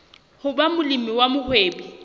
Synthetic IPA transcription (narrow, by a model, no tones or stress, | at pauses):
hʊbamʊlimiwamʊhweːbi